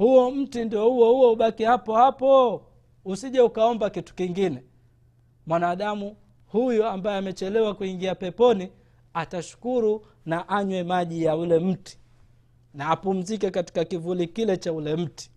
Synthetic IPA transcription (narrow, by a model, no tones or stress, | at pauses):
huɔm̩tindiɔhuwɔhuwɔuɓakihapɔhapɔ | usiʄaukaɔmbakitu̥kiŋɡinɛ | mwanaːɗamu | hujɔambajɛamɛt͡ʃɛlɛwakuiŋɡiapɛpɔni | ataʃu̥kuɾu | naʔaɲwɛmaʄijaulɛm̩ti̥ | naːpum̩zikɛkati̥kakivulikilɛt͡ʃaulɛm̩ti̥